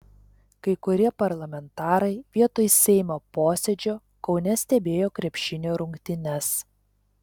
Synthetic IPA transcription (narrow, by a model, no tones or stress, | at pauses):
kɐɪkʊɾʲiɛpɐɾlˠɐmʲɛnt̪ɑːɾɐɪʋʲiɛt̪oːjsʲɛɪmʲoːpoːsʲɛd͡ʒʲoː | kɒʊnʲɛsʲt̪ʲɛbʲeːjoːkɾʲɛpʲʃʲɪnʲoːɾʊŋʲkt̪ʲɪnʲɛs